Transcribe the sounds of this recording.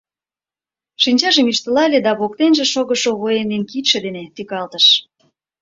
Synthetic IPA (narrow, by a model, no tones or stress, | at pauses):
ʃinʲt͡ɕɑʒə̆myʃt̪ə̆lɑlʲed̪ɑβok̚t̪enʒĕʃoɣə̆ʃoɣoenenkit̪ʃĕd̪enet̪ykɑlt̪əʃ